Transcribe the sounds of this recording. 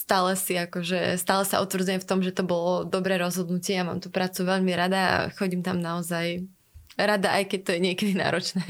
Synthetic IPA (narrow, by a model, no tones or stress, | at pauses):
st̪aːlɛsiakɔʒɛ̰st̪aːlɛsaʔut̪ʋɾ̩d͡zujɛmft̪ɔmʒɛt̪ɔbɔlɔd̪ɔbɾɛːɾɔzɦɔd̪nucɪɛjama̰ːmt̪upɾaːt͡suʋɛʎmiɾad̪aa̰xɔɟimt̪amnaɔzaj | ɾad̪aʔajkɛc̚t̪ɔjɛɲɪɛkɛd̪ina̰ːɾɔt͡ʃnɛː